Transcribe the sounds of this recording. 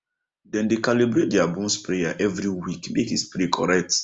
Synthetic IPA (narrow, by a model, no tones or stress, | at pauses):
dɛ̃ndekalibɾet̚dɛabũmspɾejaʔɛvɾiwikmekispɾikʰɔ̰ɹɛk̚t